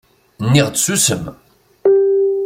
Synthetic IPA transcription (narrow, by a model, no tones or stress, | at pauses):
nːiʁd̪sysəm